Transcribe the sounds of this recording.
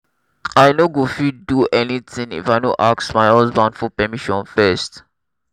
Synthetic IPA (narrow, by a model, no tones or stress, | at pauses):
ajnoɡufiduʔɛnit̪ĩŋḭfajnoʔaksmajhazbãndfɔpɛmiʃɔ̃nfɛst